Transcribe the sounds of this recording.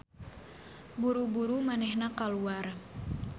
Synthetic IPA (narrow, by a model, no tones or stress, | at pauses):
buɾubuɾumanɛhnakaluar